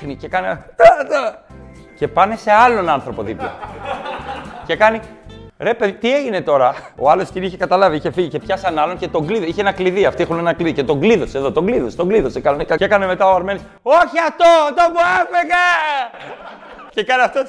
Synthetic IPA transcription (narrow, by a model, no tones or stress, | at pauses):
xnicekɐneo | ce̞pɐne̞se̞ɐlo̞nɐnθɾo̞po̞ðiplo | ce̞kɐniɾe̞pe̞ðit̪ie̞ʝine̞t̪o̞ɾɐo̰ɐlosciniçekɐt̪ɐlɐviiçe̞fiʝice̞pçɐsɐnɐlo̞nce̞t̪o̞ŋɡliðoiçeenɐkliðiɐft̪iexunenɐkliðice̞t̪o̞ŋɡliðo̞seðo̞t̪o̞ɡliðo̞st̪o̞ŋɡliðo̞sekɐlonikɐekɐneme̞t̪ɐoɐɾme̞nis | oçiɐft̪ot̪opuefeɣɐ | cekɐnɐft̪o